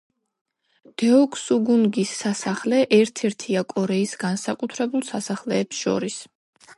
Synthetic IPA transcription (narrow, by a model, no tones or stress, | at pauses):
d̪̥ɛɔkʰʼsuɡunɡisːasaχlɛʔɛɾt̪ʰɛɾt̪ʰiakʼɔɾɛisɡansakʼut̪ʰɾɛbulˠsasaχlɛːpsʃɔ̰ɾis